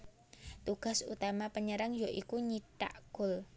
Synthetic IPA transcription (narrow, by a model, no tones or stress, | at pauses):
t̪uɡ̥a̤sṵt̪amapəɲəɾaŋjoʔikuɲiʈa̰ʔɡ̥ʊ̤l